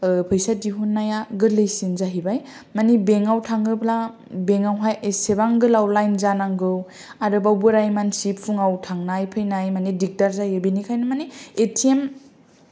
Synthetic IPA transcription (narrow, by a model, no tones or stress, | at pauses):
pʰɯjsadiɦunːajaɡɯlɯjsinzaɦibaj | manibeŋawtʰaŋɯbla | beŋawɦajesebaŋɡɯlawlajnzanaŋɡɯw | aɾɯbawbɯɾajmansipʰuŋawtʰaŋnajpʰɯjnajmanidik̚daɾzajɯbinikʰajnɯmanietʰiem